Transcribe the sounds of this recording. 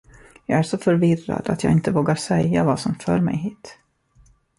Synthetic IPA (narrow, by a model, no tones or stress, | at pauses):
jɑːɡæʂɔfœɾvɪra̰d̪at̪jɑ̰ːɪnt̪əvoːɡaɾʂɛjːavasɔmfœːɾmɛ̰jɦiːt̪